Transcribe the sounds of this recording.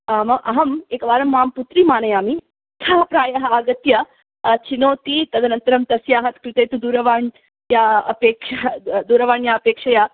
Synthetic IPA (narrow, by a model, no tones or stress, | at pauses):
mɐʔɐɦɐmeːkɐʋaːɾɐmʋaːmput̪ɾimaːnɐjaːmi | t̪ʰɐɦɐpɾaːjɐɦɐaːɡɐt̪jɐ | t͡ʃinoːt̪it̪ɐd̪ʱɐnɐnt̪ɐɾɐmt̪ɐsjaːɦɐt̪kɾɪt̪ejt̪ud̪uːɾɐʋaːn | jaːɐ̰peːkʂɐd̪uːɾɐʋaːɳjaːɐpeːkʂɐjaː